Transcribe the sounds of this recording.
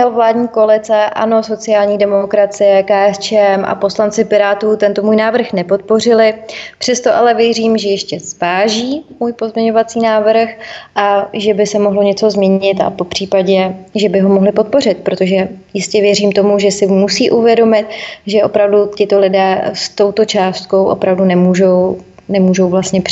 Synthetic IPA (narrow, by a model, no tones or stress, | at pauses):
ɛlovlaːdɲiːkoalɪt͡sɛʔa̰no̞so̞t͡sɪaːlɲiːdɛmokɾat͡sɪjɛkaːʔɛst͡ʃɛɛmʔa̰po̞slant͡sɪpɪɾaːt̪uːt̪ɛnt̪o̞muːjnaːvr̩xnɛpo̞t̪̚po̞rɪlɪpr̥ɛst̪o̞ʔalɛvjɛriːmʒɛjɛʃcɛz̥vaːʒiːmuːjpozmɲɛɲo̞vat͡siːnaːvr̩xʔaʒɛbɪsɛmoɦlo̞ɲɛt͡so̞zmɲɛɲɪt̪a̰po̞pr̥iːpaɟɛʒɛbɪɦo̞moɦlɪpo̞t̪̚po̞r̝ɪt̪̚pɾot̪o̞ʒɛjɪscɛvjɛriːmt̪o̞muʒɛsɪmusiːʔuvjɛdo̞mɪt̪̚ʒɛʔo̞pɾavducɪt̪o̞lɪdɛːst̪o̞wt̪o̞t͡ʃaːst̪̚ko̞wʔo̞̰pɾavdunɛmuːʒo̞w | nɛmuːʒo̞wvlast̪ɲɛp